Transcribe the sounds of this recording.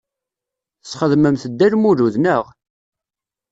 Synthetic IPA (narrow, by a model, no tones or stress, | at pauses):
θət͡sːχəðməmθəd̪ːæɾmuɾuðnəʁ